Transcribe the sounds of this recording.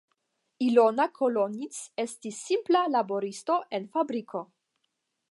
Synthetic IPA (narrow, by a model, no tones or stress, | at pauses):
ilonakʰolonit͡se̞stisːimplalabo̞ɾisto̞ʔe̞nfabɾikʰo̞